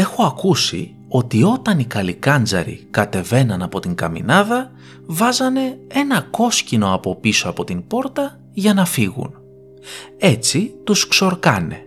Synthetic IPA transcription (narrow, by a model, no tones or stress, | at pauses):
e̞xoɐkusḭ | o̞t̪io̞t̪ɐnikɐlikɐnd͡zɐ̰ɾḭkɐt̪e̞ve̞nɐnɐpo̞t̪iŋkɐmḭnɐðɐ | vɐzɐne̞e̞nɐko̞scino̞ɐpo̞pisoɐpo̞t̪inbo̞ɾt̪ɐ | ʝɐnɐfiɣṵn | e̞t͡sit̪uskso̞ɾkɐne̞̰